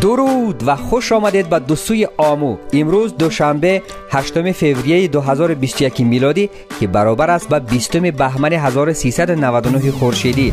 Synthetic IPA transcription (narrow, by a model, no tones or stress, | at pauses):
d̪uɾud̪vaχuʃɔmad̪e̞d̪̚bad̪usujiʔɔmuimɾuzd̪uʃambe̞ | haʃt̪umife̞vɾijejid̪uɦazɔɾubist̪ujakimilɔd̪i | kʰibaɾɔbaɾast̪̚babist̪umibaɦmaniɦazɔɾusisad̪unavad̪unuɦiχuɾʃid̪i